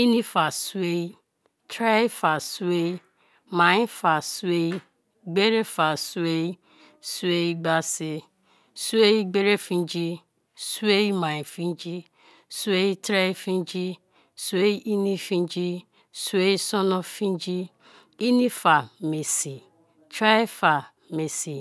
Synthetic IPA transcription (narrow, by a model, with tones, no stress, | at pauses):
i˦ni˦fa˨su˦e˦ | tɾa˦fa˨su˦e˦i˦ | ma˨ĩ˦fa˨su˦e˦ | ɡ͡be˦ɾe˦fa˨su˦e˦ | swe˦i˦ɡ͡ba˦se˦ | su˦e˦i˦ɡ͡be˦ɾe˦fĩ˦d͡ʒi˦ | su˦e˦ma˨ɲi˨fi˦n˦d͡ʒi˦ | su˦e˦i˦tɾa˦i˦fĩ˦n˦d͡ʒi˦ | su˦e˦ʔi˦ni˦fĩ˦n˦d͡ʒi˦ | su˦e˦sɔ˦nɔ˦fĩ˦n˦d͡ʒi˦ | i˦ni˦fa˨me˨si˨ | tɾa˦fa˨ | me˨si˨